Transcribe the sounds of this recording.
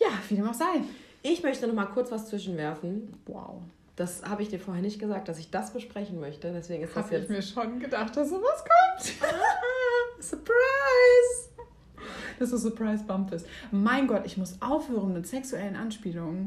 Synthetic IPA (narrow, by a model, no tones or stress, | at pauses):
jaːfiːdeːmaz̥aɪnʔɪçmœçtənɔχmaːlkʰʊɐt͡sv̥ast͡sv̥ɪʃn̩vɛɐfn̩wa̰ʊ | d̥ashaːbəɪçd̥iːɐfoːɐhɛɐnɪçt̚ɡ̥əzaːk̚td̥asɪçd̥asb̥əʃpʁ̥ɛçn̩mœçtədɛsv̥eːɡŋ̩ɪstd̥asjamiːɐʃonɡədaχt̚d̥asz̥oːvaskʰɔmt | sʊpʁ̥aɪz | d̥asd̥uːsʊɐpʁ̥aɪsb̥amfəstmaɪnɡɔtɪçmʊsʔaʊfhøːʁənmɪtz̥ɛksuɛlənʔanʃpiːlʊŋən